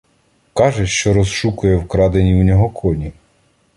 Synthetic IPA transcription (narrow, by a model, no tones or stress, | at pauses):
kɑʒɛʃt͡ʃɔɾɔzʃukʊjɛwkɾɑd̪enʲiwnʲɔɦɔkʰɔnʲi